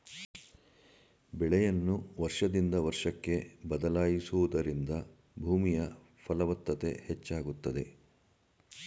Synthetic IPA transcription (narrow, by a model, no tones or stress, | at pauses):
bɛɭɛjɐnːuʋɐɾʂɐd̪ind̪ɐʋɐɾʂɐkːe̞bɐd̪ɐlaːjisuʋud̪ɐɾind̪ɐ | bʱuːmijɐ | pʰɐlɐʋɐt̪ːɐt̪e̞̰het͡ʃːaːɡut̪ːɐd̪e̞